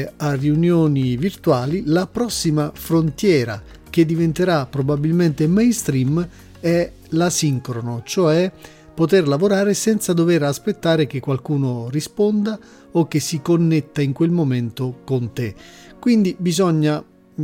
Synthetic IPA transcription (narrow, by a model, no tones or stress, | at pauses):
arːiunjoːnivirt̪waːlilapɾɔsːimafɾont̪jɛːɾa̰ | k̟ed̪ːivent̪eɾapːɾobabilment̪emejnst̪ɾim | ɛ | lasiŋkɾonot͡ʃoɛ | pːot̪erlavoɾaːɾesɛnt̪sad̪oveɾaspet̪ːaːɾek̟ekːwalkuːnorispond̪a | ok̟ːesikonːet̪ːaiŋkwelmoment̪okont̪ekwind̪ibizɔɲːa